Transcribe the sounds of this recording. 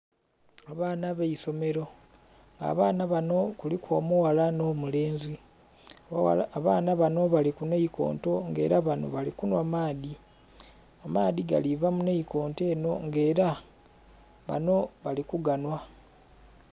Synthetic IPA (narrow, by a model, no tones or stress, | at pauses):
aβaːnaβeiso̞me̞ɾo̞ | ŋɡa̰βaːnaβano̞kulikwomuwalano̞mule̞ːnzi | aːnaβano̞βalikuneiko̞̰ːnto̞ŋɡe̞̰ːɾaβano̞̰βalikunwamaːdi | amaːdiɡa̰livamuneiko̞ːnte̞ːno̞ŋɡe̞ːɾa | βa̰no̞βalikuɡanwa